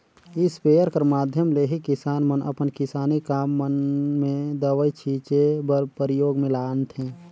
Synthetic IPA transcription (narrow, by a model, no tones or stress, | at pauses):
ɪspeːjəɾkəɾmaːd̪ʱjəmleɦikɪsaːnmənʔə̰pənkɪsaːnikaːmːənmẽd̪əʋəit͡ʃʰiːt͡ʃebpəɾɪjoːɡmẽlaːnt̪ʰɦẽː